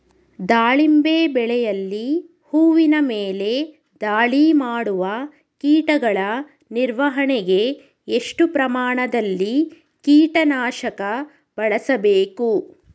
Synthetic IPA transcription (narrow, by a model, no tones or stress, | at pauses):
d̪aːɭimbeːbɛɭɛjɐlːi | huːʋinɐmeːle̞ | d̪aːɭimaːɽuʋɐ | kiːʈɐɡɐɭɐ | niɾʋɐɦɐɳɛɡe̞ | eʂʈupɾɐmaːɳɐd̪ɐlːi | kiːʈɐnaːʃɐkɐ | b̥ɐɭɐsɐbeːku